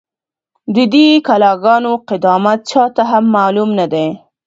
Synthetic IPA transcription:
d̪əd̪ekalɑɡɑnoqɪd̪ɑmat̪̚t͡ʃɑt̪aɦamːɑːlumnad̪e

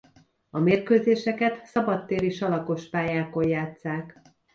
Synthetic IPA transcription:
ɒmeːrkøːzeːʃɛkɛt̪sɒbɒt̪ːeːɾiʃɒlɒko̞ʃpaːjaːko̞jjaːt̪saːk

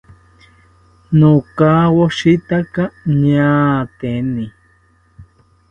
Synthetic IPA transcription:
nokawoʃit̪akaɲat̪eni

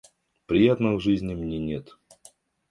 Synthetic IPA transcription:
pɾʲɪjat̪nəvʐɨzʲnʲɪmnʲenʲet̪

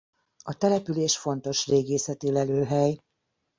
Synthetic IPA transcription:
ɒt̪ɛlɛpyleːʃfo̞n̪t̪o̞ʃreːɡeːsɛt̪elɛløːɦɛj

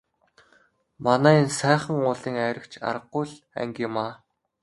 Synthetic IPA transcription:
manæːinsæːχə̆ŋʊːɮiːŋæɾʲɪ̆kt͡ɕʰa̰rə̆qːʊjɮ | æ̰ŋɡʲiːmaː

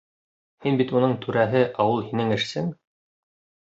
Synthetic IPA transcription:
hinbit̪unɤɴt̪ʰʉɾæɦɘʔɑwɤlˠhinɘŋɘ̆ʃsɘŋ

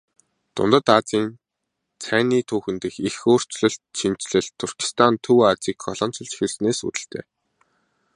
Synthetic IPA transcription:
t̪ʊ̰nt̪ə̆t̪at͡siːn | t͡sʰæːniːt̪ʰuːxɘ̆nt̪ɘ̆xixoːr̥t͡ɕɮɘ̆ɬt̪̚ʃin̥t͡ɕɮɘ̆ɮt̪ʰːʊrki̥st̪ʰant̪ʰuwat͡siːkʰːɔɮɔ̆ːn̥t͡sɞ̆ɮt͡ɕi̥xɘ̆rsneːsṵt̪ɘ̆ɬt̪ʰḛː

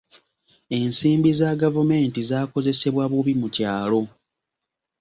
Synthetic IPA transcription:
e̞nsiːmbizaɡavume̞ːntizaːko̞ze̞se̞βwaβuβimucaːlo̞

